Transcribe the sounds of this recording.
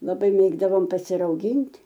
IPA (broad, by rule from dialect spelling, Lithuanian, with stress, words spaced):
lˠɐˈbɐɪ ˈmʲeːɡdɐʋoːm pɐsʲɪrɐʊˈɡʲɪnʲtʲ